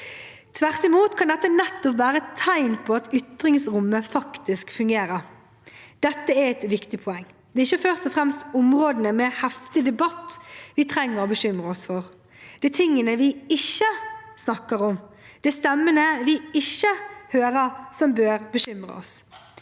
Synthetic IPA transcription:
t̪ʰʋæʁt̪ɪmuːt̪kʰɑnd̪ɛt̪ːənɛt̪ːɔpʋæːɾət̪ʰæɪnpʰɔɑt̪ʏt̪ɾɪŋsɾʊmːəfɑkt̪ɪskfʉŋɡeːɾəɾ | d̪̥ɛt̪ːəæɾɛt̪ʋɪkt̪ɪpʰɔɛŋː | d̪ɛːɪçəfœʁst̪ɔfʁɛmst̪ʊmʁoːd̪ənəmɛhɛft̪ɪd̪ɛbɑt̪ʋɪt̪ʰɾɛŋːəɾɔbəɕʏmʁəɔsfɔʁ | d̪̥ɛt̪ʰɪŋːənəʋɪɪçːəsnɑkːəɾɔmd̪̥ɛst̪ɛmːənəʋɪɪçːəhøːɾəsɔmbøːɾbəʃʏmɾə̰ɔ̰s

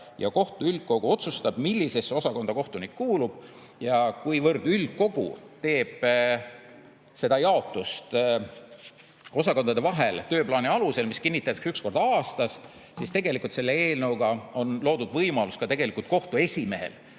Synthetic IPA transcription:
jɑ̰ko̞ht̪uylɡ̪̥̚ko̞ɡ̥uo̞t̪sust̪ɑb̥milːise̞so̞sɑko̞nd̪ɑko̞ht̪unikːuːlub̥ | jɑkujvɤrd̪̥ylɡ̪̥̚ko̞ɡ̥ṵt̪e̞ːb̥ | se̞d̪̥ɑjɑo̞t̪ːˑust̪ | o̞sɑko̞nd̪ɑd̪e̞vɑɦe̞lt̪ø̞ːplɑːniɑluse̞lmiskinʲːit̪ːˑɑt̪e̥ksyksko̞rd̪ɑːst̪ɑs | sist̪e̞ɡ̥e̞likːˑult̪se̞lːee̞ːlnɤwɡ̥ɑo̞nlo̞ːd̪̥ud̪̥vɤjmɑluskɑt̪e̞ɡ̥e̞likult̪̚ko̞ht̪ue̞sʲime̞ɦḛl

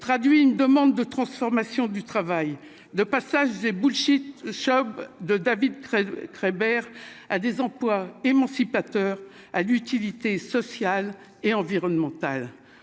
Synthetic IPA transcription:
t̪χad̪ɥiynd̪əmɑ̃d̪ːət̪χɑ̃sfɔʁmasjɔ̃d̪yt̪χavaj | d̪əpasaʒd̪ebulʃit̪ʃɔbd̪əd̪avid̪kʁebɛʁad̪ezɑ̃plwaemɑ̃sipat̪œʁ | alyt̪ilit̪esɔsjal | eɑ̃viʁɔnmɑ̃t̪al

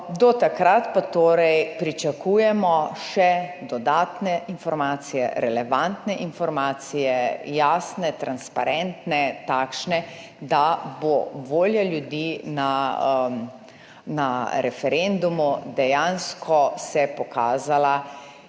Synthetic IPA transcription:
d̪ɔt̪akɾat̪pat̪oːɾɛjpɾit͡ʃakuːjɛmɔʃɛd̪ɔd̪aːt̪nɛinfɔɾmaːt̪sijɛ̰ɾɛlɛʋant̪nɛʔinfɔɾmaːt̪sijɛjaːsnɛt̪ɾanspa̰ɾɛnt̪nɛt̪aːkʃnɛ | d̪aboʋoːljaljud̪iːna | naɾɛfɛɾɛnd̪umud̪ɛjanskʰɔsɛpɔkaːzala

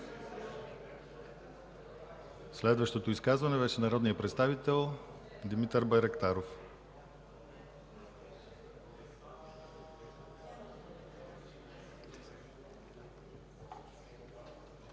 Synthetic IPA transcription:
slɛd̪vəʃt̪ot̪oiskazvɐnɛvɛʃɛnɐɾɔd̪nijəpɾɛt̪st̪avit̪ɛlˠ | d̪imit̪əɾbɐjɾɛkt̪aɾof

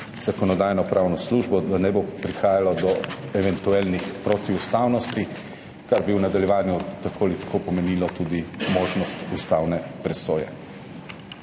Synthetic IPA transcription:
z̥akɔnɔd̪aːjnɔpɾʔaːwnɔsluʒbɔd̪anɛbopɾixaːjalɔd̪ɔɛʋɛnt̪uɛlnixpɾot̪iust̪aːwnɔst̪i | kaɾbiwnad̪aljɛʋaːnjut̪akoːlit̪ḁkʰopɔmɛniːlɔt̪uːd̪imoːʒnɔst̪ust̪awnɛpɾɛsoːjɛ̰

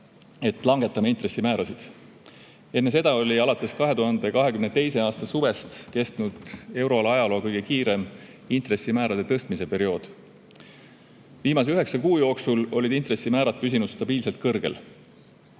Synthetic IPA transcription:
e̞t̪ˑlɑŋɡ̥e̞t̪ːˑɑmɑint̪re̞sːimæːɾɑsid̪̥ | e̞nːe̞s̬e̞d̪̥ɑo̞lʲiɑlɑt̪ːˑe̞skɑɦe̞t̪uɦɑnd̪ekɑɦe̞kymnet̪e̞jse̞ɑːst̪ɑsuve̞st̪ke̞st̪nud̪̥e̞wɾo̞lɑjɑlo̞ːkɤjɡ̥e̞kiːɾe̞m | int̪re̞sːimæːɾɑd̪et̪ɤst̪mise̞pe̞ɾio̞ːd̪̥ | viːmɑseyɦe̞ksɑkuːjo̞ːksulo̞lid̪int̪resimæːɾɑt̪̚pys̬inud̪̥st̪ɑb̥iːlse̞lt̪̚kɤrɡ̥e̞̰l

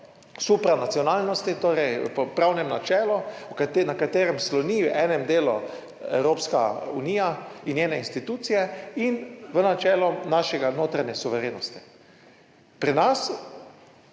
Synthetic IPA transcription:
supɾanat̪sijɔnaːlnɔst̪it̪oːɾɛjpɔpɾawnɛmnat͡ʃɛːlɔwkat̪enakat̪eːɾɛmslɔniʔɛːnɛmd̪eːlṵ | ɛ̰wɾoːpska̰uniːja | injeːnɛinst̪it̪uːt̪sijɛinʋənat͡ʃɛːlɔnaʃɛɡanoːt̪ɾanɛsuʋɛɾeːnɔst̪i̥ | pɾinas

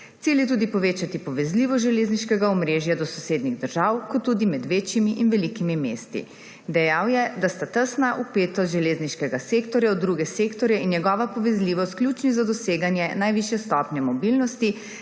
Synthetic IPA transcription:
t̪iljɛt̪uːd̪ipɔʋeːt͡ʃat̪ipɔʋɛzliːʋɔʒɛleːzniʃkɛɡaɔmɾeːʒjad̪ɔsɔseːd̪niɣd̪əɾʒawkɔt̪ːuːd̪imɛd̪ʋeːt͡ʃjimiʔinʋɛlikimimeːst̪ḭ | d̪ɛjawjɛd̪ast̪at̪əsnaʔupeːt̪ɔst̪ʒɛlezniʃkɛɡaseːkt̪ɔɾjɛɔd̪ːɾuɡɛseːkt̪ɔɾjɛinjɛɡɔːʋapɔʋɛzliːʋɔst̪̚klʲuːt͡ʃnizad̪ɔseːɡanjɛnajʋiʃjɛst̪ɔpnʲɛmɔbilnɔst̪i

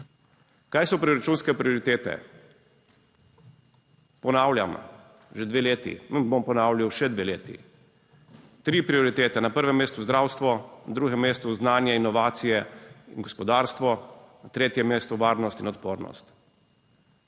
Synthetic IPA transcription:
kaːjsɔpɾioɾat͡ʃunskɛpɾioɾit̪eːt̪ɛ̰ | pɔnaːwlja̰m | ʒɛd̪ʋeːleːt̪ḭmbompɔnaːwlʲjawʃɛd̪ʋeleːt̪ḭ | t̪ɾiːpɾiɔɾit̪eːt̪ɛnapəɾʋɛmːeːst̪uzd̪ɾaːwst̪ʋɔnd̪ɾuɡɛmːeːst̪uznaːnjɛinɔʋaːt̪sijɛinɡɔspɔd̪aːɾst̪ʋɔnat̪ɾeːt̪jɛmːeːst̪uʋaːɾnɔst̪inɔt̪poːɾnɔ̰st̪

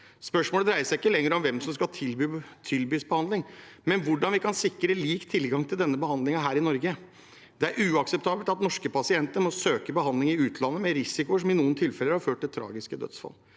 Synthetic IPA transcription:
spœʂmoːləd̪ɾæɪəsæɪɪkːəlɛŋːɾəɔmʋɛmsɔmskɑt̪ʰɪlbyːsbəhɑnd̪ɪŋmɛnʋʊɖɑnʋɪkʰɑnsɪkːɾəliːkt̪ʰɪlɡɑŋt̪ʰɪld̪ɛnːəbəhɑnd̪lɪŋɑɦæːɾɪnɔɾɡə | d̪ɛæɾʔʉːɑksəp̚t̪ʰɑːbəlt̪ɑt̪nɔʂkəpʰɑsɪɛnt̪əɾmɔsøːkəbəhɑnd̪lɪŋɪʉːt̪ʰlɑnːəmɛɾɪsɪkʊəʂ̬ɔmɪnuːənt̪ʰɪlfɛləɾhɑɾføːʈ̚ʈ̪ːɪlt̪ʰɾɑ̰ːɡɪskəd̪œ̰t̪sfɑ̰lː

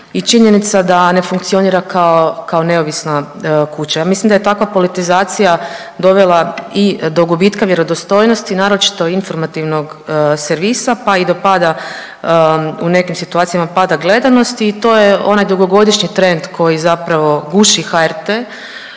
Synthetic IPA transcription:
it͡ʃiɲe̞nit̪sad̪ane̞fuŋk̚t̪sio̞niːɾakaokao̞ne̞o̞ʋisna | kut͡ɕajaːmislimd̪ajet̪akʋapo̞lit̪izaːt̪sija | d̪o̞ʋelaid̪o̞ɡubiːt̪kaʋje̞ɾo̞d̪ost̪o̞jno̞st̪inaːɾot͡ʃi̥t̪o̞info̞ɾmat̪iʋno̞ɡ | seɾʋisapaid̪o̞pad̪a | une̞kimsit̪uat̪sijamapad̪aɡle̞d̪ano̞st̪iːt̪o̞ːjeo̞̰najd̪uɡo̞ɡo̞d̪iʃɲit̪ɾe̞nd̪kʰo̞jizapɾaʋo̞ɡuʃixaeɾt̪e

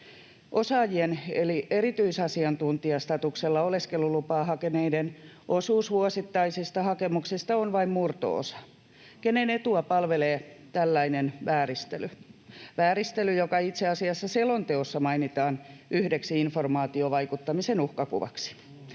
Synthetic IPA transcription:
ʔosɑːjienelieɾit̪yisɑsiɑnt̪unt̪iɑst̪ɑt̪ukselːɑoleskelulupɑːɦɑkeneidenʔosuːsʋuosit̪ːɑisist̪ɑhɑkemuksist̪ɑonʋɑimmurt̪o̰o̰sɑ̥ | kenenet̪uɑpɑlʋeleːt̪ælːæinenʋæːɾist̪elyʋæːɾist̪elyjokɑit̪seɑsiɑsːɑselont̪eosːɑmɑinit̪ɑːnʔyhdeksiinformɑːt̪ioʋɑikut̪ːɑmisenuhkɑkṵʋɑ̰ksi̥

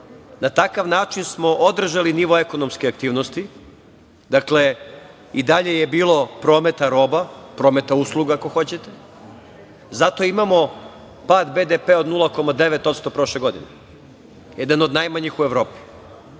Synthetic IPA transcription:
nat̪akaʋnaːt͡ʃinsmo̞ʔod̪r̩ʒaliniʋo̞eko̞nomskeak̚t̪iːʋnost̪i | d̪akle | id̪aʎe̞jebiːlˠo̞pɾo̞ːme̞t̪aɾo̞ːbapɾoːme̞t̪auslˠuɡako̞xo̞t͡ɕet̪e̞ | zat̪o̞imamo̞ | paːd̪bed̪epeːod̪nulˠako̞mad̪e̞ʋet̪o̞t̪st̪o̞pɾo̞ʃleɡo̞d̪ḭne | jed̪anod̪najmaɲixueʋɾo̞ːpi̥

